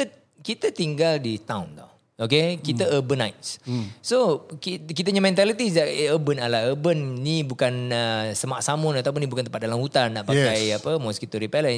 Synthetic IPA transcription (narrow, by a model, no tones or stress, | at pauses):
kit̪ət̪iŋɡaldit̪awnt̪ɔh | okekit̪əəbənajt̚ssokkit̪aɲamɛ̃nt̪alit̪isdaʔəbənalaəbənːibukanəsəmaʔsamʊnat̪awp̬ʊnibukant̪əpat̪̚dalamhut̪anːaʔbakajapəmɔskit̪uɾipɛlə